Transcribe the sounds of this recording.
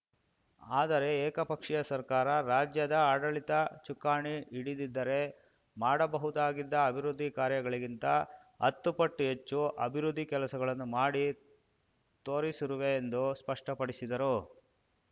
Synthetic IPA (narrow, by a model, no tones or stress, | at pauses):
aːd̪ɐɾe̞ɛːkɐpɐkʂijɐsɐɾkaːɾɐɾaːd͡ʒjɐd̪ɐaːɽɐɭit̪ɐt͡ʃukaːɳiiɽid̪id̪ːɐɾe̞ | maːɽɐbɐɦud̪aːɡid̪ːɐːbʱiɾud̪ʱːikaːɾjɐɡɐɭiɡint̪ɐ | ɐ̰t̪ːupɐʈːuɦet͡ʃːuʔɐ̰bʱiɾud̪ʱːikɛlɐsɐɡɐɭɐnːumaːɽi | t̪o̞ːɾisiɾuʋe̞ːnd̪uspɐʂʈɐpɐɽisid̪ɐɾu